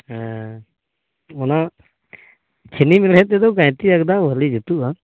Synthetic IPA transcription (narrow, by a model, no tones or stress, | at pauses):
ɔna | t͡ʃʰenimilɦɛt̪ɛd̪ɔkãjt̪iakd̪aɦəlid͡ʒut̪uʔa